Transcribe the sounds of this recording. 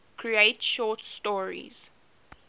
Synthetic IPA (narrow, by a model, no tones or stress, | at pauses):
kʰɹietʃɔːtstɔːɹḭz̥